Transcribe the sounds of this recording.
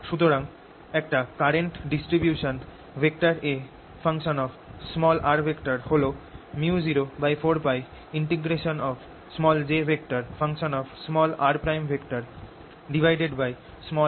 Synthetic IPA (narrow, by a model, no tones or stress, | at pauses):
ʃut̪̬oɾaŋ | ɛk̚ʈakaɾeɳʈɖisʈɾibjuʃon | bʱek̚ʈaɾe | fʰaŋʃonɔbsmɔlaɾbʱekʈaɾholomiud͡ʑiɾobajfoɾpaj | iɳʈiɡɾeʃonɔb | smɔld͡ʑebʱek̚ʈaɾfʰaŋʃonɔbsmɔlaɾpɾajmbʱekʈaɾ | ɖibʱajɖeɖbaj | smɔ